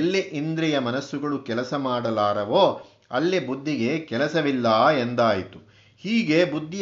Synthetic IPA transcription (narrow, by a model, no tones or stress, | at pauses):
lːeʔind̪ɾɛjɐmɐnɐsːuɡɐɭukɛlɐsɐmaːɽɐlaːɾɐʋoː | ɐ̰lːebud̪ʱːiɡe̞kɛlɐsɐʋilːɐːend̪aːjit̪u | hiːɡe̞bud̪ʱːi